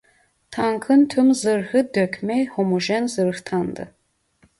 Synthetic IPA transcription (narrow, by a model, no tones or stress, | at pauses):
tʰaŋkʰɨntʰɨmzɨrhɨd̪økʰʲmejhomoʒɛnzɨrxtʰand̪ɨ̰